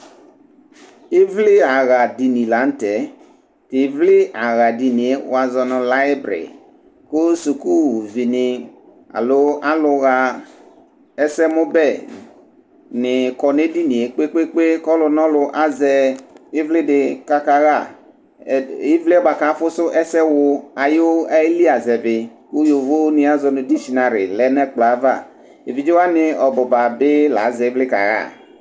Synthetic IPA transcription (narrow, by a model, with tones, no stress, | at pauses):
i˦vlɪ˦a˨ɣa˨di˨nĩ˨la˨˦n̩˦tɛ˨˦ | tɪ˨˦vlɪ˦a˨ɣa˨di˨ni˨e˦wa˨zɔ˨nʊ̃˨la˦bɾḛ˨i˨ | ko˦su˨ku˦˨vi˨nɪ˨ | a̰˨lʊ˦a˦lʊ˧ɣa˨ | ɛ˦sɛ˦mʊ̃˦bɛ˦˨ | nɪ˨kɔ˨ne˦di˦ni˨e˨k͡pe˦k͡pe˦k͡pe˦kɔ˦lʊ˧nɔ˦lʊ˧ʔa˦zɛ˧ɪ˦vlɪ˦dɪ˨ka˦ka˨ɣa˦˨ | ɪ˦vlɪ˦ɔ˦ba˨ka˨˦fʊ˦sʊ˦ʔɛ˦sɛ˦wʊ˧a˨jo˦ɛ˦li˦a˨zɛ˨bɪ˨ | ku˦jo˨vo˦nɪ˦a˦zɔ˨nʊ̃˨di˦ʃi˨nã˨ɾɪ̰˨lɛ˦nɛ˦k͡pla˨˦va˦˨ | e˨vi˨d͡ʒe˦wa˦nɪ˨ɔ˨bɔ˨ba˨bɪ˦la̰˨˦zɛ˨ɪ˦vlɪ˦ka̰˨ɣa̰˦˨